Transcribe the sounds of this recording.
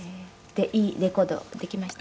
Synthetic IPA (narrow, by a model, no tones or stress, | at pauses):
e | d̪̥e̞ʔiːɾe̞ko̞ːd̪o̞̰d̪e̞kʲimaɕi̥t̪